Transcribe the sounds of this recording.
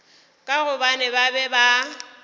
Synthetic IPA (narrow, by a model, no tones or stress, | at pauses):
kʼaɣʊbanɛbabɛba